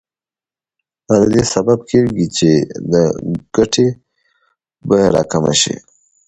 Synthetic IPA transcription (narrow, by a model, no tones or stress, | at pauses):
ad̪ad̪esabab̚kʰeɾɡit͡ʃed̪əɡ̥aʈʰe | bajaɾɑ̰kama̰ʃḭ